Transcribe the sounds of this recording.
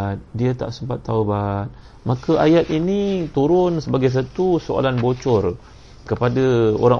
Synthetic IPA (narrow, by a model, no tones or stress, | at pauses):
t̪̚diat̪a̰ʔsəmpat̪ːawbat̪̚ | mãkaʔajat̪init̪uɾʊnsəbaɡajs̬at̪usoa̰lanbot͡ʃɔr | kəpadao̰ɾaŋ